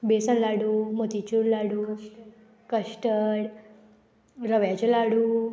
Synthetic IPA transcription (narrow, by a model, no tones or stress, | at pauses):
besənlaɽuːmot̪it͡ɕuɽlaɽuː | kəɕʈəɽ | ɾəʋjat͡ɕelaɽuː